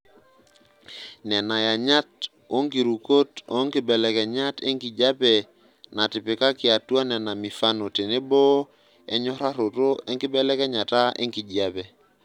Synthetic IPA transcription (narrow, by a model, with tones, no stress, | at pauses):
nɛ˨na˨ja˨ɲa˦t̚ | o˦ŋki˨ɾu˨ko˦to˦ŋkɪ˨bɛ˨lɛ˨kɛ˨ɲa˦tɪ˦ŋki˨d͡ʒa˦pɛ˨ | na˨tɪ˨pɪ˨ka˦kɪ˨a˨twa˦nɛ˨na˨mi˨fa˦no˨te˨ne˦bɔ˦ | ɛ˦ɲɔ˦ɾa˦ɾo˨to˦ɛ˦ŋkɪ˦bɛ˦lɛ˦kɛ˦ɲa˨ta˦ʔḛ˦ŋki˨d͡ʒa˨pɛ˨